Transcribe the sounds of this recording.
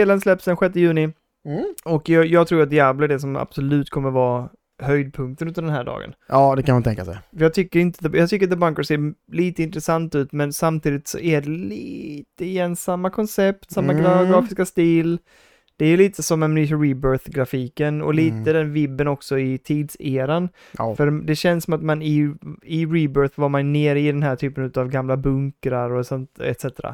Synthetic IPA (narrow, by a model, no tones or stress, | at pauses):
seːlənslɛpsd̪ɛnɧɛt̪ːəjʉ̟ːnɪ | ɔkjɑːjɑːɡt̪ʰɾuːɾat̪̚d̪ɪabləæɖɛs̬ɔma̰b̥sɔlʉ̟ːt̪kʰɔmːəɾvɑː | hœjd̪̚pʰɵŋk̚t̪ənɵnaɖ̪ɛnɦæːɖɑ̰ːɡə̰nɑːd̪ɛkʰanmant̪ʰɛŋkːa̰sɛ̰jfəjɑːɡt̪ʰʏkːəɾɪnt̪əd̪ɛjɑt̪ʰʏkːɾat̪d̪əbaŋkəseːliːt̪əɪnt̪ɾəsant̪ʉ̟ːt̪mɛnsamt̪ʰiːd̪ɪt̪sɔ̰ʔæɖɛliːt̪əɪjɛnsamːakʰɔnsɛp̚t̪samːaɡɾaɡɾɑːfɪskast̪iːl | d̪̥ɛæɾjɵliːt̪əsɔmːɛmnyːʃɾiːbœɾθɡɾafiːkənɔ̰liːt̪əd̪ɛnvɪbːənɔksɔɪt̪ʰiːd̪seːɾan | fœɾd̪ɛɕɛnːsɔmat̪manɪɪɾiːbœːɾθvaɾmanjneːɾɪd̪ɛnɦæːʈʰyːpənʉ̟t̪avɡamlabɵŋkɾaɾɔsɔnt̪ɛ̰t̪sɛt̪əɾa̰